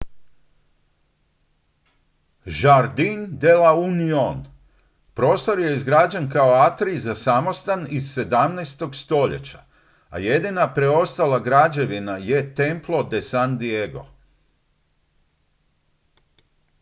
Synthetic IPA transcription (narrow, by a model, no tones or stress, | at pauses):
ʒaɾd̪ind̪elaunion | pɾo̞ːst̪o̞ɾje̞izɡɾad͡ʑankao̞at̪ɾizasamo̞st̪anizːe̞d̪amnest̪o̞ɡst̪o̞ʎe̞̰t͡ɕa̰ | a̰je̞d̪inapɾe̞o̞st̪alˠaɡɾad͡ʑe̞ʋinaje̞t̪e̞mplˠo̞d̪e̞sand̪ieɡo̞̰